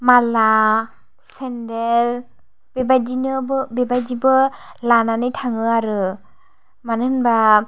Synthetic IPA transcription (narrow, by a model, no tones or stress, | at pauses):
mala | sɛndel | b̥ebadinɯbbebad͡ʒibɯlananɯjtʰaŋɯaɾɯ | manɯnba